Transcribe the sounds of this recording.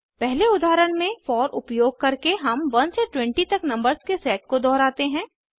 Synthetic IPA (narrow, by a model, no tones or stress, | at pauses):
pɛɦleʊd̪ʱaːɾəɽ̃mẽfɔːɾʊpjoːɡ̚kɐɾkeɦɐmʋɐnseʈwɛ̃ɳʈit̪ɐknɐ̃mbəɾzkesɛːʈ̚kod̪ɔːɾaːt̪eɦɛ̃ː